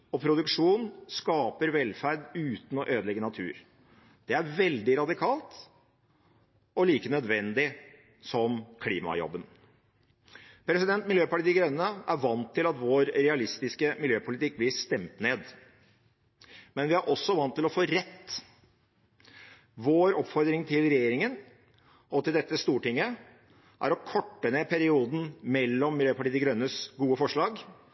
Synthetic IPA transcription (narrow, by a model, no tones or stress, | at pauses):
ɔpʰɾʊd̪ʉkʂuːnskɑːpəɾʋɛlfæɾd̪ʉːt̪n̩ɔʔøːd̪lɛɡːənɑt̪ʰʉ̰ːɾ | d̪̥ɛæɾʋɛld̪ɪɾɑd̪ɪkʰɑːlt̪ | ɔliːkənœd̪ʋɛnd̪ɪ | sɔmkʰlḭːmɑ̰jɔ̰bːən | pʰɾɛsɪd̪ɛnt̪mɪljøːpɑʈɪd̪ɪɡɾœnːəʔæɾʋɑnt̪ʰːɪlɑt̪ʋoːɾɾɛɑlɪst̪ɪskəmɪljøːpʰʊlɪt̪ɪk̚ːblɪst̪ɛmt̪neːd̪ | mɛnʋɪæɾʔɔsːɔʋɑnt̪ʰːɪlɔfoːɾɛt̪ː | ʋoːɾɔpfɔɾd̪ɾɪŋt̪ʰɪlɾɛjeːɾɪŋən | ɔt̪ɪld̪ɛt̪ːəst̪uːʈɪŋːə | ʔæ̰ɾɔkʰɔʈːəneːpʰæɾɪuːd̪n̩mɛlːɔmːɪljøːpɑʈiːɪɡɾœnːəsɡuːəfɔʂɭɑːɡ